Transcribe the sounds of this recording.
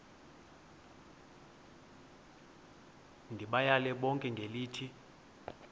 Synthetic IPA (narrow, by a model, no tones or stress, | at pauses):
ndʱiɓajalɛɓɔŋkʼɛŋɡʱeliːtʰi